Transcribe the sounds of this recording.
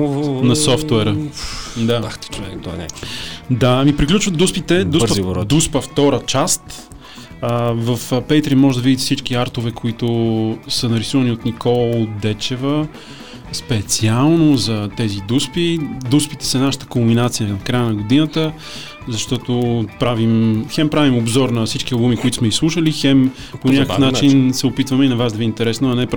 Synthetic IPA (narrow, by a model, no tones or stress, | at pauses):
nɐsɔft̪wɛɾəd̪ḁt͡ʃɛk̪ɔɛd̪amipɾiklʲut͡ʃvət̪d̪uspit̪ɛd̪ud̪uspəft̪ɔɾət͡ʃast̪ | əvəfpɛjt̪ɾimɔʒɛd̪ɐvid̪it̪ɛfsit͡ʃk̟iaɾt̪ovɛkoit̪osənɐɾisuvɐniot̪nikɔlˠot̪̚d̪ɛt͡ʃɛvə | spɛt̪sialˠnozɐt̪ɛzid̪uspid̪uspit̪ɛ̥sɐnaʃə̥t̪ə̥kombinat̪sijənɐkɾajənɐɡod̪inət̪ə | zɐʃt̪ɔt̪opɾavimxɛmpɾavimobzɔɾnɐfsit͡ʃk̟iɐlˠbumikoit̪ʊ̥smɛislˠuʃəlixɛm | poɲʲakəəfnat͡ʃinsɛopit̪vəmɛinɐvazd̪ɐviːnt̪ɛɾɛsnoɐnɛp